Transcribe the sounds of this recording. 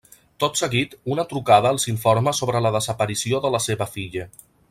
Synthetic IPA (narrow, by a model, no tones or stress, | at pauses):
t̪ot̪səɣit̪unət̪ɾukað̞əəlˠziɱfoɾməsoβɾələðəzəpəɾisioðələseβəfiʎə